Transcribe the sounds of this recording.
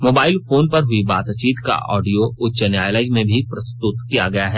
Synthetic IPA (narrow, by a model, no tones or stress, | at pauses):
moːbaːɪlfoːnpɐɾɦʊibaːt̪t͡ʃiːt̪ka̰ʔɔ̰ːɖijoʊtːʃənjaːjləimẽbʱipɾɐst̪ʊt̪kijaɡɐjaɦɛː